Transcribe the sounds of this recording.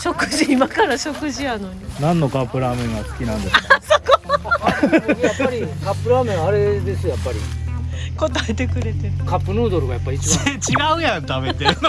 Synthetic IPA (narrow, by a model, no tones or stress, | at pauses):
ɕo̞kɯ̟ʑiːmakaɾaɕo̞kɯ̟ʑijano̞ɲ̟inãnːo̞kapːɯ̟ɾamẽŋɡasɨ̥kʲinãnd̪essoko | japaɾikʰapːɯ̟ɾaːmẽaɾed̪e̞sɨjapːaɾʲi | ko̞t̪aet̪e̞kɯ̟ɾe̞t̪ekʰapːɯnɯːd̪oɾɯɡajapːait͡ɕt͡ɕiɡaɯjãnt̪abet̪eɾɯ